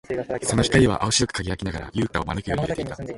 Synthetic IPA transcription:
so̞no̞çi̥kaɾʲiβa̰ʔaoɕiɾo̞kɯ̟̥kaɡʲijakʲinaɡa̰ɾa̰jɯ̟ːt̪aomanɯkɯjoɾiiɾet̪ei̥t̪a

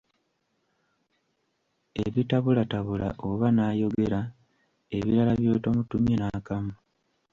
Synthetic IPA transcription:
e̞βitaβulataβula̰ʔoβanaːjo̞ɡe̞ɾa | e̞βiɾalaβjo̞ːto̞mutumjenakamu

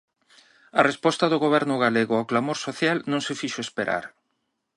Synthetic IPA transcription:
ɐrespɔst̪ɐðʊɣoβ̞ɛɾnʊɣ̞aleɣʊawklamoɾsoθjalnõŋsɪfiʃoespeɾa̰ɾ

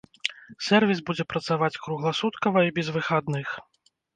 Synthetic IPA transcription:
sʲɛrvʲisbud͡zʲɛpɾɐt̪savat͡sʲkɾuɣlˠasut̪kɐvɐibʲɛzvɨxad̪nɨx

